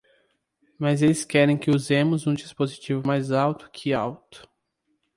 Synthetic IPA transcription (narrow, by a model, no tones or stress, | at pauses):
mɐzelɪskɛɾẽj̃kɪuzẽmʊzũd͡ʒispozit͡ʃivʊmajzawt̪ʊ̥kʰɪawt̪ʊ̥